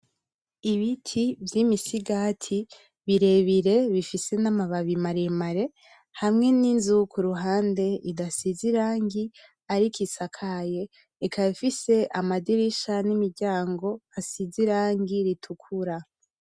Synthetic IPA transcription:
iβitʰivjimisiɡaːtʰi | βiɾe̞βiɾe̞βifise̞namaβaβimaɾemaɾe̞ | hamŋe̞ninzukʰuɾuɦaːnde̞idasiziɾaːŋɡi | aɾikʰisakʰaje̞ː | kʰaβifise̞ʔamadiɾiʃanimiɾɟaːŋɡo̞asiziɾaːŋɡiɾitʰukʰuɾa

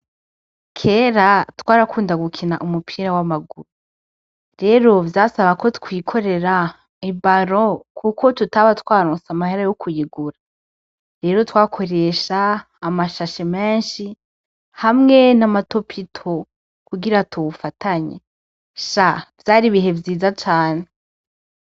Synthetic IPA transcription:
kʰe̞ːɾatwaːɾakuːndaɡukʰina̰ʔumupʰiːɾawamaɡuɾu | ɾe̞ːɾo̞vjaːsaβako̞tkwiːkʰo̞ɾe̞ɾa | ibaɾo̞kʰuko̞tutaβatwaːɾoːsamaheɾajokʰujiɡuɾa | ɾe̞ːɾo̞twaːkʰo̞ɾe̞ːʃaː | maʃaʃemeːnʃi | hamŋenamato̞pʰitʰo | kuɡiɾatuβufatʰaɲḛ | ʃav̥jaːɾiβiɦe̞vjiːzat͡ʃaːne

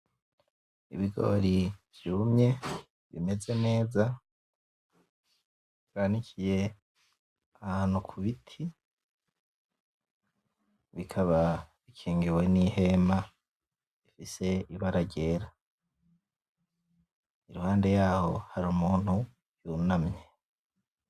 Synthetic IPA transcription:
ḭβiɡo̞̰ɾiv̥juːmɲe̞ | βḭme̞ze̞ne̞ːza | ɾaːnicʰije̞ | ahhaːn̥ukʰuβitʰi | βikʰaβaβikʰeːŋɡiwe̞nihe̞ma | ifise̞iβaɾaɟe̞ːɾa | iɾuhaːnde̞jaːho̞haɾuːmuːn̥hu | junamɲe̞

